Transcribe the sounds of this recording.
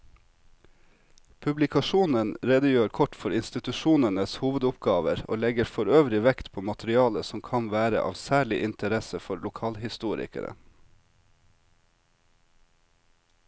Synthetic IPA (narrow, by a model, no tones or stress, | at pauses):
pʰʉblɪkʰɑʃuːnənɾeːd̪əjøːɾkʰɔʈfɔɾɪnst̪ɪt̪ʉʃuːnənəshuːʋəd̪ʊpɡɑːʋəɾʔo̰ːlɛɡəɾfɔɾøːʋɾɪʋɛkt̪pʰoːmɑt̪ʰɾɪɑːləsɔmkʰɑnʋæːɾə̰ʔɑ̰ːʋsæːɭɪʔɪnt̪ʰəɾɛsəfɔɾlʊkʰɑːlhɪst̪uːɾɪ̰kə̰ɾə̰